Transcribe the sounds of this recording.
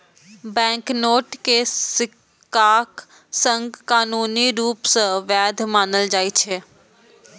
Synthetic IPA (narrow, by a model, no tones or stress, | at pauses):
bɛ̃ːŋknoːʈkesɪk | aːk | sə̃ŋɡkaːnuːniɾuːpsə̃ʋjaːd̪ʱmaːnəld͡ʒaːit͡ʃʰeː